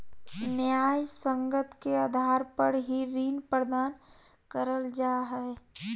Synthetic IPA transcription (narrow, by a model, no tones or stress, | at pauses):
njaːjsə̃ŋɡət̪keaːd̪ʱaːɾpəɽɦiɾiːnpəɾd̪aːn | kəɾəld͡ʒaːɦɛː